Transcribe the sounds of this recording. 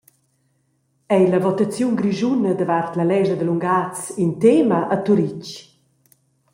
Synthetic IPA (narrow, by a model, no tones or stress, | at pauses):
ɛjləvɔt̪at͡sjunɡɾiʒunəd̪əvart̪lalɛʒəd̪əluŋɡat͡sint̪eməʔːt̪uɾic